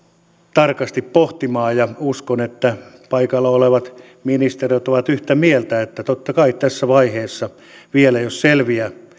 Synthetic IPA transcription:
t̪ɑrkɑst̪ippoht̪imɑːjɑuskonet̪ːæpɑikɑlːɑoleʋɑt̪ | minist̪erijot̪oʋɑt̪yht̪æmielt̪æet̪ːæt̪ot̪ːɑkɑit̪æsːæʋɑiheːsːɑ | ʋielæjosselʋiæ

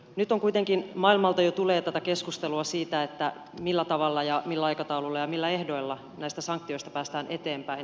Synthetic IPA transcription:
nyt̪ːoŋkuit̪eŋkinmɑilmɑlt̪ɑjot̪uleːt̪æt̪ækeskust̪eluɑsiːt̪æet̪ːæ | milːæt̪ɑʋɑlːɑjɑmilːæɑikɑt̪ɑululːɑjɑmilːæehdo̞ilːɑ | næist̪æsɑŋk̚t̪ːio̞ist̪ɑpæːst̪æːnʔe̞t̪eːmpæin

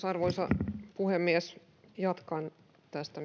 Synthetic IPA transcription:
sɑrʋoisɑ̰puhemːiæs | jɑt̪kɑn | t̪æst̪æ

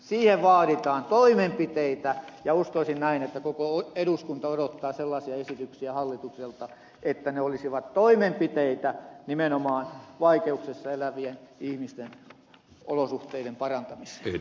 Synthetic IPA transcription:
siːheʋʋɑːɾit̪ɑːnt̪oimempit̪eit̪æjɑuskoisinnæinet̪ːækokooeɾuskunt̪ɑoɾot̪ːɑːselːɑsiɑesit̪yksiæhɑlːit̪ukselt̪ɑ | ʔet̪ːæneolisiʋɑt̪toimempit̪eit̪ænimenomɑːnʋɑikeuksesːɑelæʋienihmist̪en | o̰losuht̪eiɾempɑrɑnt̪ɑmise̥

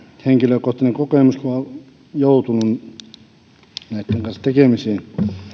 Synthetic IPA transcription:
heŋkiløkoht̪ineŋkokeˑmuskuo | jout̪unun | næˑit̪ːeŋkɑnsɑt̪ekemiseː

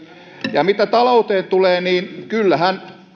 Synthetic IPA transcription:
jɑmit̪æt̪ɑlout̪eːnt̪uleːniːnkylːæhæn

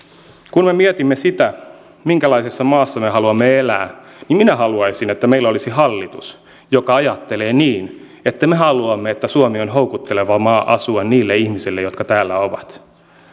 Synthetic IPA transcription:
kunme̞miɛt̪imːesit̪æ | miŋkælɑisesːɑmɑːsːɑmeɦɑluɑmːeelæː | nimminæhɑluɑjsinet̪ːæmeilːolisihɑlːit̪us | jokɑɑjɑt̪ːe̞leːniːn | et̪ːæmeɦɑluɑmːeet̪ːæsuomionɦowkut̪ːeleʋɑmɑːʔɑ̰suɑnniːlːeihmisilːejot̪kɑt̪æːlːæoʋɑt̪

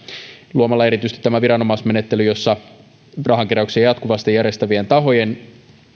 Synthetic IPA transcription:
luomɑlːɑe̞ɾit̪yst̪i̥t̪tːæmæʋiɾɑno̞mɑsme̞net̪ːe̞lyjo̞sːɑ | rʔɑɦɑŋkiɾɑuksiɑjɑt̪kuʋɑst̪ijærest̪æʋient̪ɑɦo̞je̞n

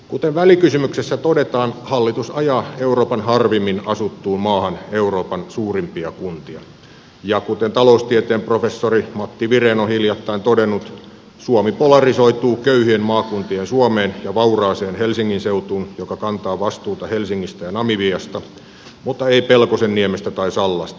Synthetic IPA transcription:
kut̪eʋʋælikysymyksesːæt̪odet̪ɑːnhɑlːit̪usɑjɑːeuroːpɑnhɑrʋimːinɑsut̪ːuːmmɑːhɑneuroːpɑnsuːrimpiɑkunt̪iɑ | jɑkut̪ent̪ɑloust̪iet̪eːmprofesːorimɑt̪ːiʋireːnohiljɑt̪ːɑint̪odenːut̪ | suomipolɑrisoit̪uːkøyhyemmɑːkunt̪iensuomeːnjɑʋɑurɑːseːnhelsiŋːinseut̪uːnjokɑkɑnt̪ɑːʋɑst̪uːt̪ɑhelsiŋːist̪æjɑnɑmiʋiɑst̪ɑ | mut̪ːɑeipelkosenːiemest̪æt̪ɑisɑlːɑst̪ɑ̥

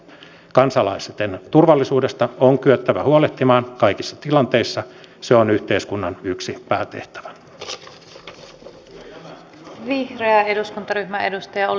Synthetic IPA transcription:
kɑnsɑlɑiset̪ent̪urʋɑlːisuːde̞st̪ɑoŋkyøt̪ːæʋæhuoleht̪imɑːnkɑikisːɑt̪ilɑnt̪eisːɑseonyht̪eiskunːɑnyksipæːt̪ḛht̪æ̥ʋæ̥ | ʋihreɑeduskunt̪ɑɾyçmæedust̪ɑjɑo

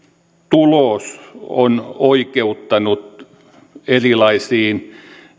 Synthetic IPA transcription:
t̪uloˑsonoikeut̪ːɑnut̪ | erilɑisiːn

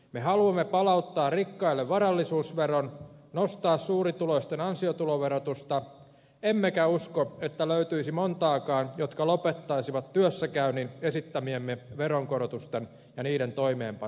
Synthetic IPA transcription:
mehɑluɑmːepɑlɑut̪ːɑːrrikːɑilːeʋʋɑɾɑlːisuːsʋeronnost̪ɑːssuːɾit̪uloist̪enɑnsiot̪uloʋeɾot̪ust̪ɑ | emːekæuskoet̪ːæløyt̪yisimont̪ɑːkɑːnjot̪kɑlopet̪ːɑisiʋɑt̪tyøsːækæyninesit̪ːæmiemːeʋeɾoŋkoɾot̪ust̪en | jɑniːɾent̪oimeːmpɑ

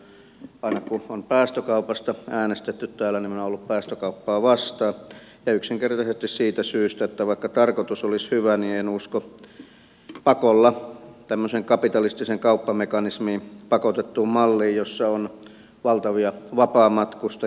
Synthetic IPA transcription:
ɑˑinɑkuompæːst̪økɑupɑst̪ɑʔæːnest̪et̪ːyt̪t̪æːlːˑæniminoolːuppæːst̪økɑupːɑːʋɑst̪ɑː | jɑyksiŋkert̪ɑsest̪issiːt̪æsyːst̪æet̪ːæʋɑˑikːɑt̪ɑrkot̪usolishyʋænienusko | pɑkolːɑt̪æmːøseŋkɑpit̪ɑlist̪iseŋkɑupːɑmekɑnismiːpɑkot̪et̪ːumɑlːiːjjosːɑon | ʋɑlt̪ɑʋiɑʋɑpɑːmɑt̪kust̪ɑ

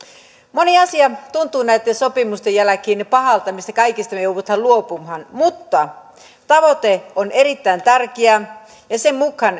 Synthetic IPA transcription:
moniɑsiɑt̪unt̪ˑuːnæit̪ːensopimust̪ejælækiːnepɑhɑlt̪ɑmist̪ɑkɑikist̪ɑmejouʋɑt̪hɑluopumhɑnmut̪ːɑ | t̪ɑʋot̪eonerit̪ːæint̪ærkeæ | jɑsemmukhɑn

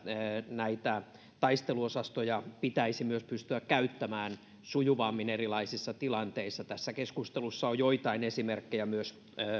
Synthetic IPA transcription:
næit̪æ | t̪ɑist̪eluosɑst̪ojɑpit̪æisimyøspyst̪yækkæyt̪ːæmæːn | sujuʋɑːmːinerilɑisisːɑt̪ilɑnt̪eisːɑt̪æsːækeskust̪elusːɑojoit̪ɑinesimerkːejæmyøsː

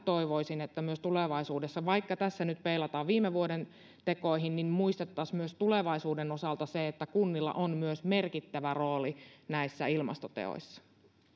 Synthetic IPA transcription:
t̪o̞iʋoisinet̪ːæmyøst̪uleʋɑisuːdesːɑʋɑikːɑt̪æsːænyt̪peilɑt̪ɑːʋʋiːmeʋuoden | t̪e̞ko̞iɦinnimmuist̪et̪ːɑsmyøst̪uleʋɑisuːdenosɑlt̪ɑseet̪ːækunːilːɑ̰ʔonmyøsme̞rkit̪ːæʋæroːlinæisːæilmɑ̰st̪ot̪ḛo̰jsːɑ̥

